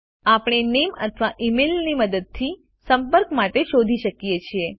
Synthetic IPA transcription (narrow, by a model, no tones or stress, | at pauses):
apɳ̃enemə̰t̪ʰʋaʔimilniməd̪əd̪̚t̪ʰi | səmpəɾkmaʈeʃod̪ʱiʃəkjet͡ʃʰie